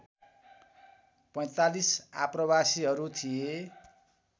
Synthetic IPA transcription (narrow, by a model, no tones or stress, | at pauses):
pʌj̃t̪alisa̰prʌbasiɦʌɾut̪ʰije